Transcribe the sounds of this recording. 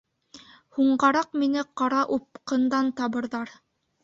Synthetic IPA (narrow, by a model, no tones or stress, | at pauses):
huɴɢɑɾɑqminɘqɑɾɑʔup̚qɤ̆nd̪ɑnt̪ɑβɤ̆ɾðɑɾ